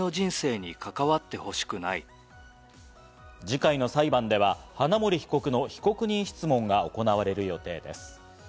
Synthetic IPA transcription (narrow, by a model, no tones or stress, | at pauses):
o̞d͡ʑĩɰ̃se̞ːɲ̟ikakaβat̪ːe̞ho̞ɕi̥kɯ̟na̰i | d͡ʑikaino̞saibãnd̪e̞β̞ahanamo̞ɾʲiçi̥ko̞kɯ̟no̞çi̥ko̞kɯ̟ɲ̟ĩɕi̥t͡sɨmõ̞ŋɡao̞ko̞naβaɾe̞ɾɯ̟jo̞t̪e̞ːd̪e̞̰sɨ̥